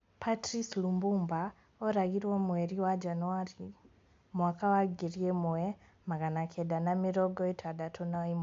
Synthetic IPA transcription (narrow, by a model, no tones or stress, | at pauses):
pʰatɾislumbuːmba | oɾaɣiɾwomweɾiwad͡ʒanuaɾi | mwaːkawaɡiɾijemue | maɣanakʰedanamiɾoɡɔitʰwadatʰonaim